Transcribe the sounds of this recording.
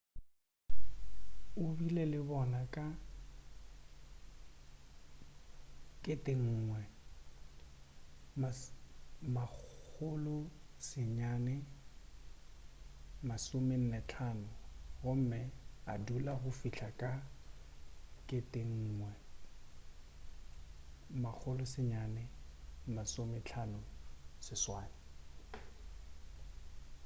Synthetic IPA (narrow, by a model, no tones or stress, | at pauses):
ʊbilelɪbɔnakʼa | kʼetʼeŋ̩ːŋwɛ | ma | maʊlʊsɪɲaːnɛ | masʊmɪn̩nɛt͡ɬʰaːnʊɣʊm̩mɪadulaɣʊfiɬʰakʼa | kʼɪtʼeŋ̩ːŋwɛ | mak͡xʰʊlʊsɪɲanɛmasʊmɪt͡ɬʰanʊsɪswaːnɪ